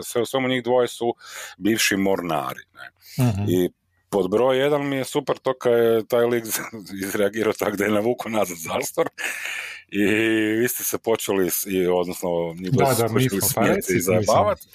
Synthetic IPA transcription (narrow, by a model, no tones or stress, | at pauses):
sʋeusʋemuɲiːɣd̪ʋo̞jesubiːʋʃimoɾna̰ːɾḭnḛ | i | po̞d̪bɾo̞jːe̞d̪anmijesupeɾt̪okajet̪aːjliɡzizɾɛaɡiːɾaot̪aɡd̪ejenaʋuːkonazad̪zaːst̪oɾ | iʋiːst̪esɛpo̞t͡ʃelisio̞d̪nosnoɲiːd̪d̪aot͡ʃelismjet̪iizajebaːʋat̪